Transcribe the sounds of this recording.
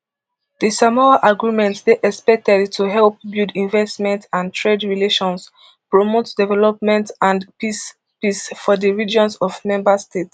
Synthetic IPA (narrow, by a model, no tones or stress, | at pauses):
d̥isamɔlaʔaɡɹimɛ̃ntsdeʔɛspɛk̚tɛdtʰuɦɛlp̚bildĩnvɛstmɛ̃ntãntʰɹedɹileʃɔ̃ns | pɹomotdɛvɛlɔp̚mɛ̃ntãnpis | pisfɔdəɹid͡ʒɔ̃nsɔvmɛ̃mbastet